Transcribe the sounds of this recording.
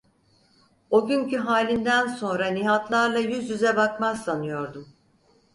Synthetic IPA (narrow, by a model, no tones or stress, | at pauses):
o̞ɟyɲcyɦaːlʲind̪ænso̞nɾaniɦat̪lˠaɾlˠajyzjyzɛbakmazsanɯjo̞ɾd̪um